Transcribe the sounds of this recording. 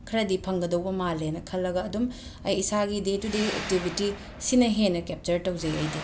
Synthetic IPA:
kʰɐɾɐdipʰɐŋɡɐdɐwbɐmalenɐkʰɐlːɐɡɐːdum | ɐjːsaɡidetːudeḛk̚tibʱiti | sinɐɦenɐkep̚t͡ʃɐɾtɐwzɐjɐjdi

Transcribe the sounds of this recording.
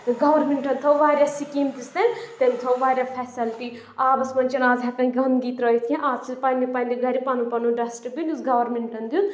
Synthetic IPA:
t̪ɡɐʋɐɾmiɳʈɐnt̪ʰɐʋaːɾʲjasikimt̪ist̪ɐnt̪et̪ʰɐʋaːɾʲjaːpʰɛːsɐlʈ̪i | aːbɐsmɐnʲt͡ʃɐnaːzɦɐkɐ̃nkʲɡɐmɡiːt̪ɾɔːjt̪ʰjẽʔaːzsʰipɐnʲipɐnʲd̪iɡɐɾipanupɐnuɖɐsʈɨbinusɡɐʋɐɾmiɳʈɐnd̪ju

